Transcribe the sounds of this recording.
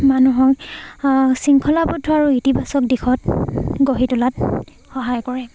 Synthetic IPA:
manuɦɔj | siŋkʰɔlabudʱɔaɹuitibasɔk̚dixʰɔt̚ɡoɦitulat | xɔɦajkɔɹɛ

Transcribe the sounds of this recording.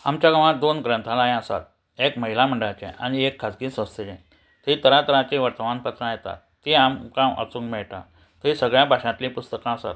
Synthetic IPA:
amt͡ɕjaɡaʋãd̪onɡɾə̃nt̪ʰalaj̃əsa̰t̪̚ | ekməɦilam̤əɳɖəɭt͡ɕɛ̰̃ʔañiekʰːaskĩsəst̪ət͡ɕɛ̃ | t̪it̪əɾãt̪əɾat͡ɕĩʋəɾt̪əmanpət̪ɾãjet̪a̰t̪ːiamkãʔə̰t͡sũŋkmɛɭʈ̪a̰ | t̪əɦisəɡɭjabʱaɕãt̪lĩpust̪əkãəsa̰t̪̚

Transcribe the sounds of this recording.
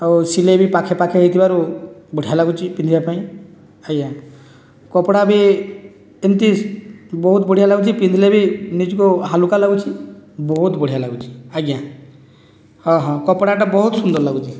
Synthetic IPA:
awsilebʱipakʰepakʰeɦejt̪ʰibaɾubɔɽ̤ijalaɡut͡ʃʰipind̪ʱbapaĩ | aɡjã | kɔpɽabi | ent̪ibɔɦut̪bɔɽ̤ijalaɡut͡ʃʰipind̪ʱlebinid͡ʒkoɦalukalaɡut͡ʃʰibɔɦut̪bɔɽ̤ijalaɡut͡ʃʰi̥aɡjã | ɦɔ̃ɦɔ̃kɔpɽaʈabɔɦut̪sund̪ɔɾlaɡut͡ʃʰi

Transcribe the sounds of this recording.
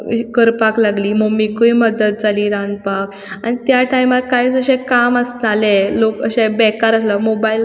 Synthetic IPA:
kəɾpaklaɡliːməɡmikuiməd̪ət̪̚d͡zaliːɾãnd̪pak | aɽ̃it̪jaʈajmaɾkajt͡səɕẽkaməsnalẽlokə̰ɕẽbɛkaɾəsləmobail

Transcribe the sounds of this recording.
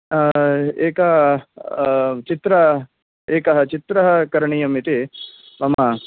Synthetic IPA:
eːkɐɦɐ | t͡ʃit̪ɾɐ | eːkɐɦɐt͡ʃit̪ɾɐɦɐkɐɾɐɳijɐmit̪i | pɐmɐ

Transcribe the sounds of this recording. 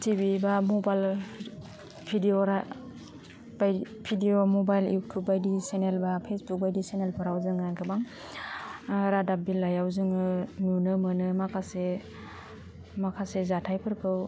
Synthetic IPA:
tʰibibamobal | pʰidioɾa | bj | pʰidiomobajljutʰubajdisenelbapʰesbuk̚bajdisenelpʰɯɾawzɯŋaɡɯbaŋ | ɾadabilːajawzɯŋɯmjunɯmɯnɯmakʰase | makʰasezatʰajpʰɯɾkʰɯw

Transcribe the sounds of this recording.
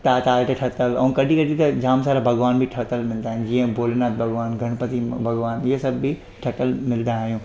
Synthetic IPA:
t̪aːt̪aːlt̪eʈʰɐt̪əlɐ̃ũkɐɗʱikɐɖit̪ɐd͡ʑaːmsaːɾabʱɐɣʋaːnbʱiʈʰɐt̪əlmɪlnd̪aːɦɪj̃d͡ʑiə̃boːlnaːt̪̚bʱɐɣʋaːnɡʱɐɽ̃pət̪ibʱɐɣʋaːnɪɦesɐbːɪ | ʈʰɐʈəlmɪld̪aaːɦijũː

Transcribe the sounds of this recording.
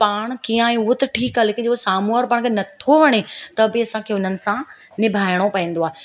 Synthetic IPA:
paːɽ̃̆kijãːɦeʊɦot̪ɐʈʰiːkaɦlekɪd͡ʑokosaːmuaɾpaːɽ̃kʰenɐt̪ʰoʋɐɽ̃et̪ɐbɪɐsãkʰeːʊn̤ənɪ̆sã | nɪbʱaːɪɽ̃opɐĩːn̆d̪oaːɦe

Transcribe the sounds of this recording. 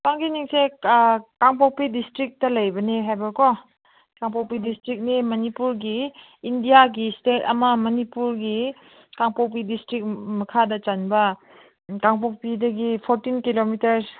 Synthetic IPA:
paŋɡiniŋse | kaŋpawpidistɾik̚tɐlɐjbɐneɦajbɐkɔ | kaŋpawpidistɾik̚nimɐnipuɾɡiː | ndijaɡistet̚ɐ̰mɐmɐnipuɾɡi | kaŋpawp̬idistɾik̚mɐkʰadɐt͡ʃanbɐ | kaŋpawpidɐɡipʰoɾtinkilomitɐɾs

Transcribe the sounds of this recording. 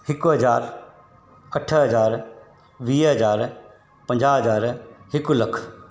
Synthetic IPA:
hɪkɦəd͡ʒaːɾ | əʈʰəɦəd͡ʒaːɾ | ʋiːɦəd͡ʒaːɾ | pə̃ɲd͡ʒaːɦəd͡ʒaːɾhɪkːʊləkʰ

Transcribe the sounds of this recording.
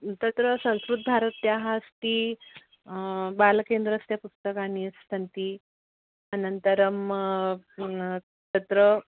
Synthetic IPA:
t̪ət̪ɾəsə̃w̃skɾut̪̚bʱaɾət̪ːjaɦast̪i | balkend̪ɾəst̪japust̪əkanissənt̪i | ənənt̪əɾəm | t̪ət̪ɾə

